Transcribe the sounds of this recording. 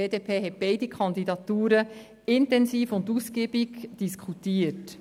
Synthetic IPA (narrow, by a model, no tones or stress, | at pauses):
eːdeːpʰeːɦɛt̚b̥ɛɪdikʰɑnd̪idɑt̪uːɾə | ɪntɛnsiːfʊnduskiːbiɡd̥iskʰχutiət